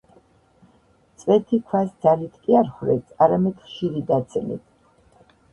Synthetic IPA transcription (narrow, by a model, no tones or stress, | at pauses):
t̪sʼwɛt̪ʰikʰwasd̪zalit̪ʰkʼiaɾχɾɛt̪sʰaɾamɛd̪̥χʃiɾid̪at̪sʼɛmḭt̪ʰ